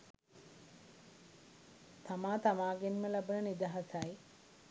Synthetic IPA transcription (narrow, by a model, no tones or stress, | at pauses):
t̪amaːt̪amaːɡenməlabənənid̪aɦasaj